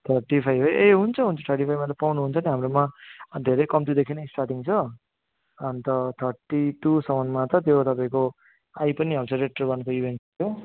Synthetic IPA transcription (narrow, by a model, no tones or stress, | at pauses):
t̪ʰʌrʈipʰajbeeɦunt͡sʰʌɦunt͡sʰʌt̪ʰʌrʈipʰajmat̪ʌpawnuɦunt͡sʰʌniɦamɾomad̪ʱeɾʌjkʌmt̪id̪ekʰinesʈarʈiŋt͡sʰʌː | nt̪ʌt̪ʰʌrʈiʈusʌmʌnmat̪ʌt̪jot̪ʌpãĩko | ajpʌniɦʌɾt͡sʰʌɾeʈ̚ʈʌrbʌnkoibʱenʈt̪jo